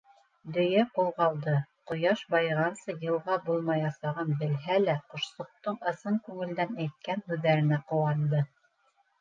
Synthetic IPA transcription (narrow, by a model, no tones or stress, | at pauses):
d̪ɵ̆jæqulˠʁɑlˠd̪ɤqŏjɑʃbɑjʁɑnsɤjɤ̆lˠʁɑbulˠmɑjɑsɑʁɤnbɘ̆lɦælæqŏʃsŏq̚t̪ɤɴɤ̆sɤɴkʉŋɘ̆ld̪ænæjt̪̚kænhʉðːæɾɘ̆næqŏwɑnd̪ɤ